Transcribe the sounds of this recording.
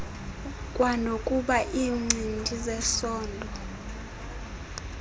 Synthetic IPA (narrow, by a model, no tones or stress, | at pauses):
kʼwanokʼuɓaʔiːŋ͡ǀʱintʼizɛsɔːndʱɔ